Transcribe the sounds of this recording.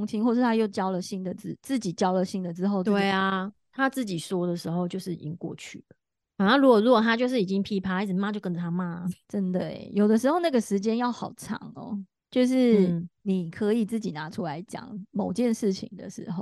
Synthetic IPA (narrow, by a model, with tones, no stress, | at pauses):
ŋt͡ɕʰi˧˥ŋxwɔ˥˧ʂ̬ɻ̩˥˩t̪ʰa˥jo˥˩ʊt͡ɕjɑ˥ʊlə˨ɕi˥nd̪ə˨t͡sɻ̩˥t͡sɹ̩˥˩t͡ɕi˨˩t͡ɕjɑ˥ʊlə˨ɕi˥˩ŋd̪ə˨ʈ͡ʂɻ̩˥xo˥˧ʊt͡st̪we˥˩ɪa˨ | t̪ʰa˦t͡s̩˥˩t͡ɕi˨˩swɔ˥d̪ə˨ʂɻ̩˧˥xo˥˧ʊt͡ɕjo˥˧ʊʂɻ̩˥˨ḭ˨˩t͡ɕi˦˥ŋkwɔ̰˥˨˩t͡ɕʰy̰˥˩ə˩ | a˨˩a˥˧ɻu˧˥kɔ˨˩ɻuwkɔ˨˩t̪ʰa˥t͡ɕjo˥˧ʊʂ̬ɻ̩˥˩i˨˩t͡ɕi˦ŋpʰi˥pʰa˧˥t͡s̩˨˩ma˦˥t͡ɕjo˥˩ʊkə˦nə˨t̪ʰa˥ma˥˨ʈ͡ʂə˦˥nd̪ə̰˨˩˨jo˨˩ʊd̪ə˦ʂ̬ɻ̩˧˥xo˥˧na˥˩ɡə˩ʂɻ̩˧˥t͡ɕjɛ˥njɑ˥˩ʊxɑ˨˩ʊʈ͡ʂʰɑ̰˧˥˦ŋɔ̰˧ | t͡ɕjo˥˧ʊʂ̬ɻ̩˥˩ni˨˩kʰɤ˧˦i˨˩t͡sɹ̩˥˩t͡ɕi˨˩na˧˥ʈ͡ʂʰu˦la˧˦ɪt͡ɕjɑ̰˨˩˦ŋmo˨˩ʊt͡ɕjɛ˥˧nʂɻ̩˥˩t͡ɕʰḭ˧˩ŋd̪ə̰˨ʂɻ̩˧˥xo˥˩ʊ